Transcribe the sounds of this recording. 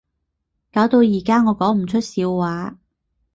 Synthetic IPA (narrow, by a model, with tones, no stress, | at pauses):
kaː˨˥wt̪o˧wjiː˨˩kaː˥ŋɔː˨˧kɔː˨˥ŋm̩˨˩t͡ʃʰɵ˥t̚siː˨˧wːaː˨˥